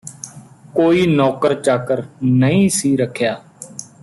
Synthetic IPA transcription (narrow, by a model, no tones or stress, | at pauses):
koːiːnɔːkəɾt͡ʃaːkəɾnəĩːsiːɾəkʰːjaː